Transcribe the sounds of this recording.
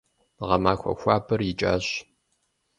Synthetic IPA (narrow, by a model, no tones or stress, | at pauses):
ʁɐmaːxʷɔ̰xʷaːbɨrjɪt͡ʃʼa̰ːɕ